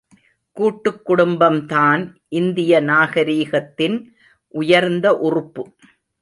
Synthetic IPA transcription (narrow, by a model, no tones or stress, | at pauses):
kuːʈːɯkːʊɽʊmbɐmt̪aːnʔɪnd̪ɪjɐnaːɣɐɾiːɣɐt̪ːɪn | ʔʊjɐɾnd̪ɐʔʊrʊpːɯ